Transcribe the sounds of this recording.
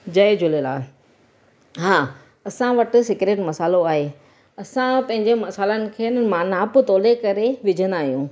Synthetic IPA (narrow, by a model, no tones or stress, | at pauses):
d͡ʑɐed͡ʑʊlela̰ː | ɦaː | ɐsãʋɐʈɪ̆sɪkɾeːʈmɐsaːloaːɦe | ɐsãpɐ̃ɦɪ̃ɲ̆d͡ʑemɐsaːlənɪ̆kʰeːnəmaːnaːpʊt̪oːlekɐɾeʋɪd͡ʑʱənaːɦijũː